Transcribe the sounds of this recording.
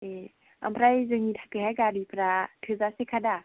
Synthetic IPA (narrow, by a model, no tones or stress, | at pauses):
e | a̰mpʰɾajzɯŋitʰakɯhaɡaɾipʰɾatʰɯzasekʰada